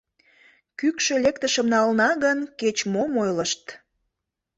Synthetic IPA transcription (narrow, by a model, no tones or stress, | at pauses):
kykʃølekt̪əʃə̆mnɑlnɑɣənket͡ɕmomojləʃt̪